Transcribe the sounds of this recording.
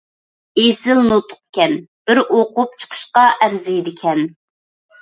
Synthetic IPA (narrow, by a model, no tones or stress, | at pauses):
esɪlnot̪ʰʊ̥q̚kʲɛnb̥ɪɾoqʊp̚t͡ʃʰə̥qʰə̥ʃqɑʔæɾzijd̪ɪkʲʰɛn